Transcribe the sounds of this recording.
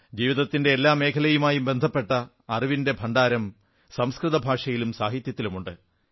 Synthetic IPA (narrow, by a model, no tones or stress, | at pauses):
d͡ʑiːʋiðɐt̪ːinde̞ːlːaːme̞ːkʰɐlɐjumaːjumbe̞nd̪ʱɐpːe̞ʈːɐː | riʋinde̞bʱɐɳɖaːɾɐm | sɐmskrɨðɐbʱaːʂɐjilumsaːɦit̪jɐt̪ːilumuɳɖɨ